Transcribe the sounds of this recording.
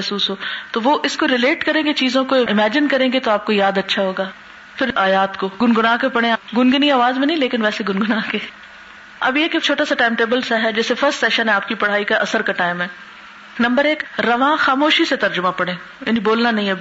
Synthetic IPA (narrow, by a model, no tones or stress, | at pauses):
suːsɦoːt̪oʋoʔɪskoɾɪleːʈkɐɾẽːɡet͡ʃiːzõkoɪɪmɛːd͡ʒɪnkɐɾẽːɡet̪oaːp̚kojaːd̪ɐtːʃʰaɦoːɡaː | fʰɪɾaːjaːt̪koɡʊnɡʊnaːkepɐɽ̃ẽɡʊnɡɪniaːʋaːzmẽnɐɦĩleːkɪnʋɛːseɡʊnɡʊnaːɦke | ɐ̰bjeːkekt͡ʃʰoːʈasaʈaːɪmʈeːbəlsaɦɛd͡ʒɛːsefɐɾsʈsɛːʃənɦɛ̃aːp̚kipɐɽ̤aːikaʔɐsəɾkaʈaːɪmɦɛː | nɐ̃mbəɾeːkɾɐʋãːxaːmoːʃiset̪ɐɾd͡ʒʊmapɐɽ̃ẽː | jaːnĩboːlnanɐɦĩɐb